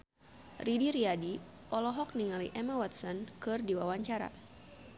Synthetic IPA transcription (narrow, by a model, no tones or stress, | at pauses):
ridiɾiadiʔɔlɔɦɔk̚niŋalḭʔɛmawat̪̚sɔnkɨrdiwawaɲt͡ʃaɾa̰